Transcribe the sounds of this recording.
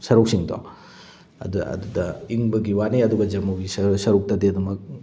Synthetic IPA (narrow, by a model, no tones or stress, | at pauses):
sɐɾuk̚siŋto̰ | ɐ̰dɐ̰dudɐiŋbɐɡiwaniɐduɡɐd͡ʒɐmɐwɡissɐɾuk̚tɐdeɐdumɐk̚